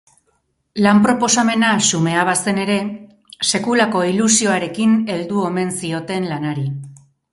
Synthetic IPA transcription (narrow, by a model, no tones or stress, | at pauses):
lampɾo̞po̞same̞nasume̞aβase̞ne̞ɾe̞ | se̞kulako̞ilusio̞aɾe̞kine̞ld̪uo̞me̞nsio̞t̪e̞nlanaɾi